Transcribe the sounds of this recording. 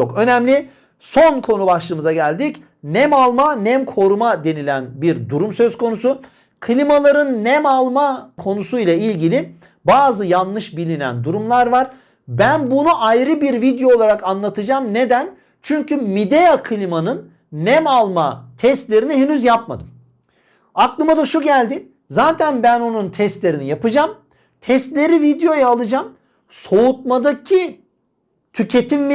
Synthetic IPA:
t͡ʃʰokø̞nɛmlʲi | so̞nkʰo̞nubaʃlˠɯːmɯzaɟælʲd̪ic | næmalˠmanɛmkʰo̞ɾumad̪e̞nilʲænbiɾd̪uɾumsø̞zkʰo̞nusu | kʰɯlʲimalˠaɾɯnːæmalˠmakʰo̞nusujlˠailʲɟilʲɪ | baːzɯjanːˠɯʃbilʲinæ̰nd̪uɾumlˠaɾvaɾ̥ | bænbunuʔajɾɯbiɾvid̪jo̞ːlˠaɾakanlˠat̪ʰɯd͡ʒaːmne̞d̪æn | t͡ʃʰyɲcʰymid̪ejakʰɯlʲimanɯnː | ɛmalˠma̰t̪ʰɛst̪lʲe̞ɾiniɦenyzjapma̰d̪ɯm | aklˠɯmad̪aʃuɟælʲd̪ɪ | zaːt̪ʰænbæno̞nunt̪ʰɛst̪lʲe̞ɾinijapɯd͡ʒam | t̪ʰɛst̪lʲe̞ɾivid̪jo̞jaːlˠɯd͡ʒam | so̞ut̪̚mad̪acʰi | t̪ʰycʰe̞t̪ʰimː

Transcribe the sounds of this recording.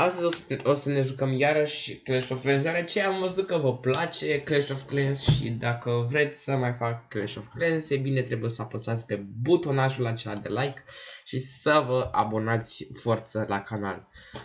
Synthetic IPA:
ast̪əzʲoo̞səne̞ʒukəmjaɾəʃʲkleʃofklensjaɾət͡ʃejamməs̬d̪ukəvəplat͡ʃe̞kleʃofklensʃḭd̪akəvɾe̞t̪sʲsəmajfakːleʃoft̪klensebine̞t̪ɾe̞buje̞səapəsat̪sʲpe̞but̪o̞naʒulat͡ʃe̞lad̪e̞̰lajkʃisəvəa̰bo̞nat̪sʲfort̪səlʔa̰kana̰l

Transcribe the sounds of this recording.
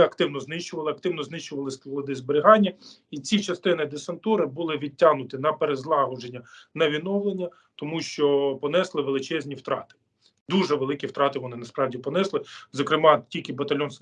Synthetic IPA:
ɐkt̪ɪwnɔznɪʃt͡ʃʊʋɐlˠɪɐkt̪ɪwnɔznɪʃt͡ʃʊʋɐlˠɪsʲklˠɐd̪ɪzbeɾʲɪɦɑnʲːɐ | it͡sʲit͡ʃɐst̪ɪnɪd̪esɐnt̪uɾɪbʊlˠɪʋʲid̚ʲtʲːaɦnʊt̪ɪnɐpeɾezlˠɑɦɔʒenʲːɐnɐʋʲinɔwlˠenʲːɐ | t̪ɔmuʃt͡ʃɔpɔnɛslˠɪʋelˠɪt͡ʃɛzʲnʲiwt̪ɾɑ̰t̪ɪ̥ | d̪uʒɛʋelˠɪkʲift̪ɾɑt̪ɪʋɔnɪnɐspɾɑwdʲipɔnɛslˠɪzɔkɾɪmɑtʲilʲkʲɪbɐt̪ɐlʲɔns

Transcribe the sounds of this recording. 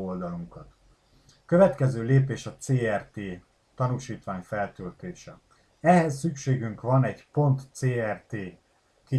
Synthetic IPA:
old̪ɒluŋkɒt̪ | køvɛt̪kɛzøːleːpeːʃɒt̪seːɛrt̪eː | t̪ɒnuʃiːt̪ʋaːɲfɛlt̪ølt̪eːʃɛ | ɛɦɛsːykʃeːɡyŋkʋɒnɛɟpo̞nt̪seːɛrt̪eː | ki

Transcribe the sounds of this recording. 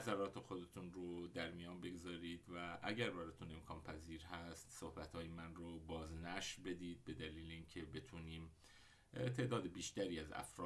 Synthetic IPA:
æzæɾɒːt̪ʰe̞xo̞d̪e̞t̪ʰunɾod̪æɾmijɒːnbe̞ɡzɒːɾiːd̪væʔæɟæɾbæɾɒːt̪ʰune̞mkʰɒːnpʰæziːɾɦæst̪sohbæt̪ɒːjemænrobɒːznæʃɾbe̞d̪iːd̪̥̚be̞d̪æliːleincʰe̞be̞t̪ʰuːniːm | t̪ʰe̞ːd̪ɒːd̪ebiːʃt̪æɾiːæzæ̰fɾɒː

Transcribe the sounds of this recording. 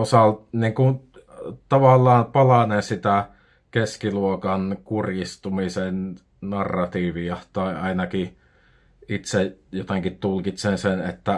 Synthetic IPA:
osɑlniːŋkun | t̪ɑʋɑlːɑːnpɑlɑnensit̪æ | keskiluokɑnkurjist̪umisen | nɑrːɑt̪iːʋiɑt̪ɑˑeʔɑˑinɑki | ʔit̪sejot̪eŋkit̪t̪ulkit̪sensenḛt̪ːæ

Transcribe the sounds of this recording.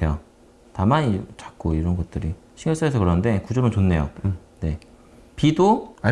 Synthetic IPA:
ejo | tamaɲit͡ɕak̚k͈oiɾʌnɡʌt̚t͈ɯɾiɕʰiŋjoɭs͈aesʰʌkɯɾʌnɯnde̞kud͡ʑʌmɯnt͡ɕonːe̞jo̰ | ne̞ | pido

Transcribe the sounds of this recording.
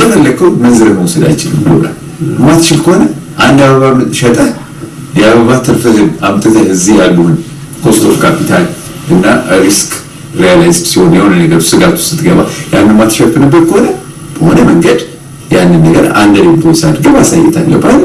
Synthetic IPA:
ənəlːəkʰːəwmənzɨɾəməwusəd̪a̰jt͡ʃɪlɨmlo̰la̰l | mːat̪t͡ʃɪlkʰəho̞nəʔand̪aβəβamɨʃɛt̪ʼə | jaβəβat̪ʰːɨɾfəzɨnamt̪ʼɨt̪ʰəhɨzijalːuhɨn | kʰost̪ʰofkʰapʰit̪ʰal | ɨnːaɾiskʰʼ | ɾijalajzsiho̞njɛhonənəɡəɾusɨɡat̪ʰu̥sɨ̥t̪ʰːɨɡəβa̰janːɨmat̪ʃɛfɨnɨbːət̪̚kʰəho̞nə | b̥əhonəməŋɡəd̪ | janːɨnːəɡəɾa̰nd̪əɾenbosad̪ɡəβasajːɛt̪ʰalːəbal

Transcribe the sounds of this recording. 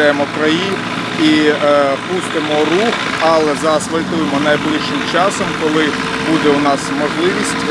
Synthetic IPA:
ajemɔkɾɐjin | i | pust̪ɪmɔrux | ɑlˠɛzɑɾɐsʋɐlʲt̪ujemɔnɐjblˠɪʃːɪmt͡ʃɑsɔmkɔlˠɪ | bud̪ɛunɑsmɔʒlˠɪʋʲisʲtʲ

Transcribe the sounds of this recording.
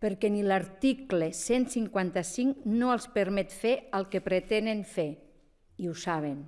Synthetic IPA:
pəɾkɛnilaɾt̪iklesensiŋkwant̪asiŋnoəlˠspəɾmɛt̪feəlˠkepɾet̪enenfe | iusaβ̞en

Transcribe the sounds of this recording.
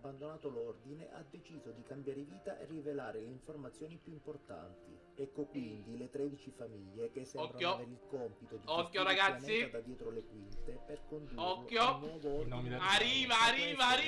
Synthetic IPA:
bːand̪onaːt̪olɔrd̪ineʔa̰d̪ːet͡ʃiːzod̪ikambjaːɾeviːt̪aʔḛrːivelaːɾeleiɱformat̪sjɔːnipjuimport̪a̰nt̪i | ɛkːokwind̪ilet̪ɾɛːd̪it͡ʃifamiʎːekesːɛɔɾkajoilkɔmpit̪od̪iɔkːjoɾaɡat̪sːiad̪ad̪jɛːt̪ɾolekwint̪eperkond̪uɔkːjonwɔːvoord̪iaɾiːvaːɾiːvaɾi

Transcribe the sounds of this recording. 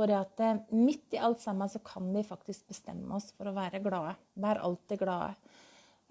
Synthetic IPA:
ɔɾɛɑt̪əmɪt̪ːɪʔɑlt̪sɑmːənsɔkʰɑnʋɪfɑkt̪ɪsk̚bəst̪ɛ̰mːə̰ɔsfɔɾɔʋæːɾəɡɽɑːə | ʋæːɾʔɑ̰lt̪ɪɡɽɑːə̰

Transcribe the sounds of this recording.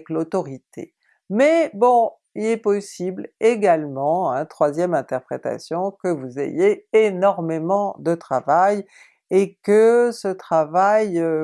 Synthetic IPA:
klot̪ɔʁit̪ʰḛ | mɛbɔ̃ | ilɛpɔsibleɡalmɑ̃ɛ̃t̪χwazjɛmɛ̃t̪ɛʁpχḛt̪a̰sjɔ̃kəvuzḛjeenɔʁmemɑ̃d̪ət̪χavaj | ekəsət̪χavaj

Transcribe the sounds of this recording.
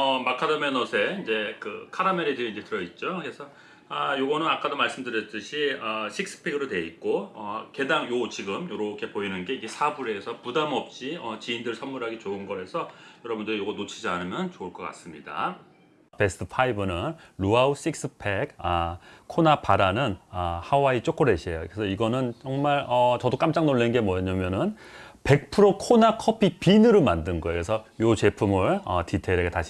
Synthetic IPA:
ʌmakʰadomenʌsʰe̞ind͡ʑe̞kɯkʰadameɾedɯiind͡ʑe̞tɯɾʌit̚t͡ɕ͈okɾe̞sʰʌ | ajoɡʌnɯnak͈adomaɭs͈ɯmdɯɾjʌt͈ɯɕʰiʌɕʰik̚s͈ɯ̥pʰeɡɯɾote̞it̚k͈oʌ̰ke̞daŋjot͡ɕiɡɯmjoɾʌkʰe̞poinɯnɡe̞iɡe̞sʰabuɾe̞ːsʰʌpudamʌp̚t͡ɕ͈iʌt͡ɕiindɯɭsʰʌmːuɾɦaɡet͡ɕoɯnɡʌe̞sʰʌjʌɾʌbundɯɾijoɡʌnot͡ɕʰid͡ʑianɯmjʌnt͡ɕouɭk͈ʌk͈a̰s͈ɯmɲida̰ | pe̞sʰtʰɯpʰaibɯnɯnɾuaus͈ik̚s͈ʰɯpʰe̞ɡakʰonapaɾanɯnʌhawait͡ɕ͈ok͈oɾe̞ɕʰiejokesʰʌiɡʌnɯnt͡ɕʌŋmaɭʌt͡ɕʌdok͈amt͡ɕ͈aŋnoɭːinnɡe̞mwʌɲamjʌnɯn | pe̞k̚pʰɯɾokʰonakʰʌpʰipinɯɾomandɯnɡʌjokesʰʌjot͡ɕe̞pʰumɯɭʌ̰titʰe̞ɾeɡetaɕʰi

